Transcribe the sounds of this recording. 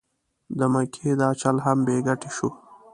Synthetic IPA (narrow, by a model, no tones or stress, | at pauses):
d̪əmakʰed̪ɑt͡ʃalɦambeɡaʈeʃu